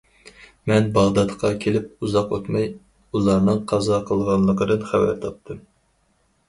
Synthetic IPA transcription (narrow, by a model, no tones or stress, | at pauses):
mɛnbɑʁd̪ɑt̪qʰɑkʲʰelɪp̚uzɑqot̪mɑj | ulˠɑɾnɨŋqʰɑzɑqʰəlˠʁɑnlˠəqəd̪ɨnχævæ̰ɾt̪ʰɑp̚t̪ʰɨm